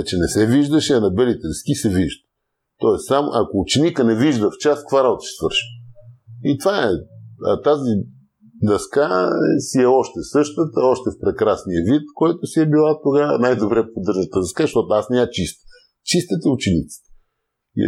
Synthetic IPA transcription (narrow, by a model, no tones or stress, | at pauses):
t͡ʃɛnɛsɛviʒd̪əʃɛɐnɐbɛlit̪ɛɾskisɛviʒd̪ə | t̪ɔɛst̪samo̰ʔɐkoːt͡ʃɛnikənɛviʒd̪əft͡ʃaskvaɾabot̪ə̥ʃɛ̥svəɾʃiəit̪ovaɛɐ̰t̪azi | d̪ɐskasiɛɔʃt̪ɛsɤʃt̪ət̪əɔʃt̪ɛfpɾɛkɾasnijəvit̪kɔɛt̪ʊsiɛbilˠat̪oɡanajd̪obɾɛpod̪ɤɾʒət̪əd̪ɐskaɐʃt̪ɔt̪oasnɛat͡ʃist̪ə̥ | t͡ʃist̪ət̪ɛut͡ʃɛnit̪si̥t̪ə̥ | ḭ